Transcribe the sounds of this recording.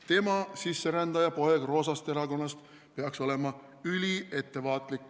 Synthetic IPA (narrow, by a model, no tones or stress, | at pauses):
t̪e̞mɑsisːe̞ɾænd̪̥ɑjɑpo̞e̞ɡ̥ro̞ːsɑst̪eɾɑko̞nːɑst̪ | peɑkso̞le̞mɑ | ylʲie̞t̪ːe̞vɑːt̪ˑlikːˑ